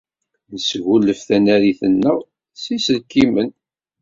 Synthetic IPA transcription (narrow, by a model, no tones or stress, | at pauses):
nəsɣulːəfθænæɾiθənːəʁ | sisəlkimən